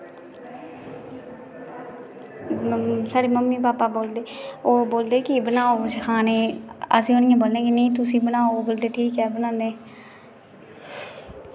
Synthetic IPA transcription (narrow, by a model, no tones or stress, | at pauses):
saːɽeːməmːiːpaːpaːboːld̪eːoːboːld̪eːkɪbənaːot͡ʃkʰaːneːə̰sĩːoːnɪjãːboːlẽːkɪnəĩːt̪̬ʊsĩːbənaːoboːld̪eːʈʰiːkɛːbənãːnd̪eː